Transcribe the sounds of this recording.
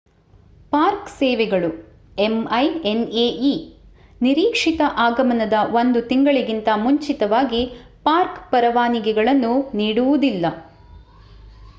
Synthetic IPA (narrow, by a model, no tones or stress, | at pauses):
paːɾksɛːʋɛɡɐɭu | emɐjeneːʔi | niɾiːkʂit̪ɐʔaːɡɐmɐnɐd̪ɐʋo̞nd̪ut̪iŋɡɐɭiɡint̪ɐmuɲt͡ʃit̪ɐʋaːɡipaːɾkpɐɾɐʋaːniɡɛɡɐɭɐnːuniːɽuʋud̪ilːɐ